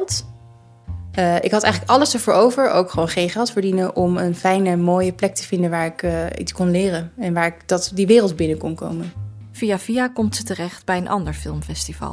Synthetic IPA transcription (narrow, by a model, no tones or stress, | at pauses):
lˠt | əɪkɦɑtɛ̰jχələkɑləsəɹvoːɹowvəɹʔo̰wkχəʋoːnχejnχɛlˠtfəːɹdinəʔɔmənfɛjnəmoːjəplɛk̚təv̥ɪndənʋaːɹɪkːḭtskɔnlɪːrənɛnʋaːɹɪkd̥ɑtdiʋɪːrəlˠd̚bɪnəkɔnko̰wmən | fijafiakɔmtsətərɛχtbɛjənʔɑ̰ndəɹfɪlˠmfɛstivɑ̰l